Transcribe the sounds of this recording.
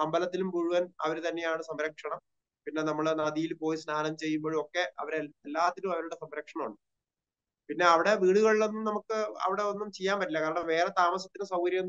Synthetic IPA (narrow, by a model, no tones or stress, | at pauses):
ɐmbɐlɐt̪ːilumbuɻuʋɐnɐʋɐɾut̪ɐnːe̞jaːɳɨsɐmɾɐkʂɐɳɐm | pinːe̞nɐmːɐɭnɐðijilpo̞ːjisnaːnɐmt͡ɕe̞jːumboːɻuo̞kːe̞ɐʋɐɾelːaːt̪ːɐɾumɐʋɐɾuɽe̞sɐmɾɐkʂɐɳɐmuɳɖɨ | pinːe̞ɐʋiɽe̞ʋiːɽuɣɐɭiɭːenːumnɐmukːɨɐ̰ʋiɽe̞onːumt͡ɕejːaːmpɐtːilːɐkaːɾɐɳɐʋe̞ːret̪aːmɐsɐt̪ːinɨsɐwkɐɾjɐenː